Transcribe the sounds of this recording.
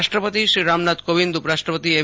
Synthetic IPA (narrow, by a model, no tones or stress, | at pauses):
ʃʈɾəpət̪iʃɾiɾamnat̪kobind̪upɾaʃʈɾəpət̪ie